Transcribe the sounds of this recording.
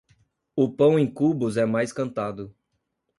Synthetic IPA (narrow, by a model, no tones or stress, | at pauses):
ʊpɐ̃w̃ẽj̃kubʊzɛmajskɐ̃nt̪ad̪ʊ